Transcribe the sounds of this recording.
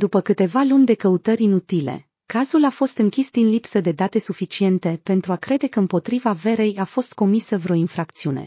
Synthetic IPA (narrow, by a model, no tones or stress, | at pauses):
d̪upəkɨt̪e̞valunʲd̪e̞kəut̪əɾʲinut̪ile̞̰ | kazulafo̞st̪ɨŋkʲisd̪inlipsəd̪e̞d̪at̪e̞sufit͡ʃie̞nt̪e̞pe̞nt̪ɾuakɾe̞d̪e̞kəɨmpo̞t̪ɾivave̞ɾe̞jafo̞st̪̚ko̞misəvɾeo̞infɾakt̪siune̞̰